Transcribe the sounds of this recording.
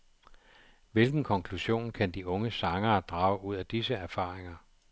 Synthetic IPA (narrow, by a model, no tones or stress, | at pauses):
ʋe̝lɡ̥n̩kʰɒ̽ŋkʰluɕo̝̰ːnkʰænd̥iʔɔ̽ŋəsɑ̈ŋɐːd̥ʁɑ̈ːʊʔuð̞̰ˠæd̥isəæɐfɑ̈ːʁeŋɐ